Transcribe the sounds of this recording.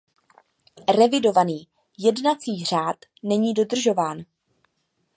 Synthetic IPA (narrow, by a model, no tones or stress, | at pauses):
rɛvɪdo̞vaniː | jɛdnat͡siːr̝aːt̪nɛɲiːdo̞d̪r̩ʒo̞vaːn